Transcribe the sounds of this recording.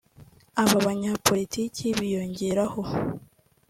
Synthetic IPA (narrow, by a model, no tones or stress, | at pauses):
aβaβaɲapʰo̞liticʰiβijo̞ɲɟe̞ɾaho̞